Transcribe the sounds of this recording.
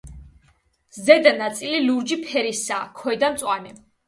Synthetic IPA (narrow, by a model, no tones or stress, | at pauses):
zɛd̪anat̪sʼililuɾd͡ʒipʰɛɾisaːkʰɛɛd̪ant̪sʼwanɛ